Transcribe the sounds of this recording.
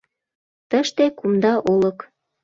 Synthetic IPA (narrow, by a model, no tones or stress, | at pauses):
t̪əʃt̪ekumd̪ɑʔolə̆k